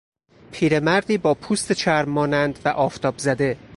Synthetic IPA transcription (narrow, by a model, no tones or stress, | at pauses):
pʰiːɾe̞mæɾd̪iːbɒːpʰuːst̪et͡ʃʰæɾmːɒːnænd̪væʔɒːft̪ʰɒːbzæd̪e̞